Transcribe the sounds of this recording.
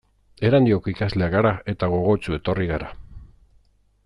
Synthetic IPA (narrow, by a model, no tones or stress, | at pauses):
e̞ɾand̪io̞koikazle̞aɣaɾae̞t̪aɣ̞o̞ɣ̞o̞t͡ʃue̞t̪o̞riɣaɾa